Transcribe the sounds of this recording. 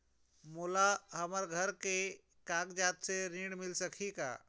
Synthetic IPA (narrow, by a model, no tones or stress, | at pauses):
mulaɦəməɾɡʱəɾke | kãkd͡ʒat̪seɾĩɽmɪlsəkʰika̰